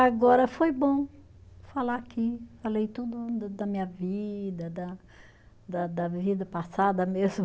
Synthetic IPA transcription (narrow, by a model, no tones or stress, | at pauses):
aɡɔɾɐfojbõ | falaːkifalejt̪ud̪ʊd̪d̪ɐmĩɲɐvid̪ɐd̪ɐ | d̪ɐd̪ɐvid̪ɐpasad̪ɐmezmʊ